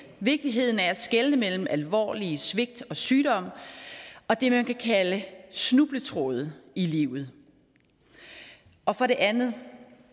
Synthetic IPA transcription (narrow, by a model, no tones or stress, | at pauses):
ʋe̝ɡ̥̚d̥iɦe̝ð̞̰ˠn̩æɐæ̥sɡ̥elnəmel̰m̩ʔælʋɒ̰ːlisʋe̝ɡ̥̚d̥ɒ̽syːd̥ɒ̽m̰ | ɒ̽d̥e̝mænkækʰæləsnub̥lət͡sʰʁo̰ð̞̩ˠiliːʊð̩ˠ | ɒ̽fɒ̽ɾe̝ʔænð̩ˠ